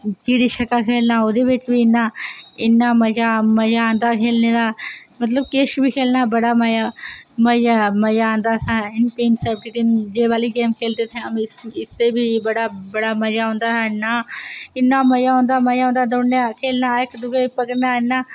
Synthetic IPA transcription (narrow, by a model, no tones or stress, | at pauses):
kiːɽiʃəkaːkʰeːlnaːod̪eʋɪt͡ʃbʱiːɪnːaːɪnːaːməd͡ʒaməd͡ʒaə̃ːnd̪aːkʰeːlneːd̪aːmət̪̬ləbkeːʃbiːkʰeːlnaːbəɽaːməjaməd͡ʒaməd͡ʒaə̃ːnd̪aːsaːɦɛɪnpeːnsɛːb̚ʈiʈend͡ʒeːʋaːliːɡeːmkʰeːlt̪eːt̪ʰẽəmɪst̪ebʱiːbəɽaːbəɽaːməd͡ʒaːɦõːnd̪aːɦɛːɪnːaːɪnːaːməd͡ʒaːɦõːnd̪aːməjaːɦõnd̪aːd̪onnakʰeːlnaːɪkd̪ʊɡepəkəɾnaːɪnːaː